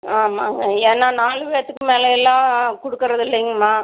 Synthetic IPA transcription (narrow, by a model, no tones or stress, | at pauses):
aːmaːŋɡɐeːnːaːnaːlɯʋeːɾɐt̪ːɯkːɯmeːlɐjɛlːãːkɔɽɯkːɪɾɐðɪlːɐɪŋɡɐmaː